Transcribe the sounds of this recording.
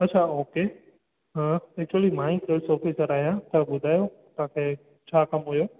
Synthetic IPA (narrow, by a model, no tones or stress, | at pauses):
ɐtːt͡ʃʰaoːke | ɦãek̚t͡ʃuəlimãːĩkelsɔːfiːsəɾaːɦijãt̪ɐbʊd̪ʱaːjo | t̪ãːkʰe | t͡ɕʰaːkɐmɦujoː